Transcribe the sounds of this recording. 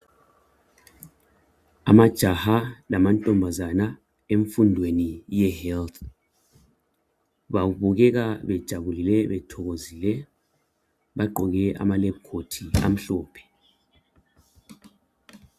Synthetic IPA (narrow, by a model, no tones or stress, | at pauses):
amad̥ʒ̥ʱahalamantʼɔmbʱazana | eɱfundʱwenijɛhɛlt̪ʰ | βauβuɣɛɣaβɛd̥ʒ̥ʱaβulilɛβɛtʰɔɣozilɛ | βaɡ͡ǃʱɔɣɛʔa̰malɛp̚kʰotʰia̰m̩ɬɔːpʰɛ̥